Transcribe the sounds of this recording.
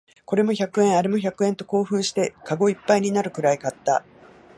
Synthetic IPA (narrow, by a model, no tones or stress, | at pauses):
ko̞ɾe̞mo̞çakɯ̟ẽ̞ɰ̃aɾe̞mo̞çakɯ̟ẽ̞nt̪o̞ko̞ːɸɯ̟̃ɰ̃ɕi̥t̪e̞kaɡo̞ipːaiɲ̟inaɾɯ̟kɯ̟ɾaikat̪ːa̰